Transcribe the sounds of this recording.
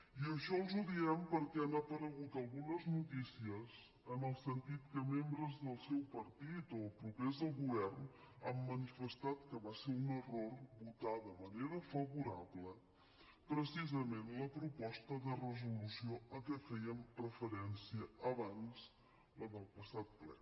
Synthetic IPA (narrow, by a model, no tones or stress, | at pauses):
iəʃɔlˠzuðiɛmpəɾkɛənəpəɾəɣut̪əlˠɣunəznut̪isiəz | ənəlˠsənt̪it̪kəmembɾəzðəlˠsɛwpəɾt̪it̪opɾupezðəlˠɣuβɛrnəmːənifəst̪at̪̚kəβaseunərorβut̪aðəməneɾəfəβuɾa̰βlə | pɾəsizəmenləpɾupɔst̪əðərəzulusioəkɛfɛjəmrəfəɾɛnsiəːβanz | ləðəlˠpəsat̪̚plɛ̰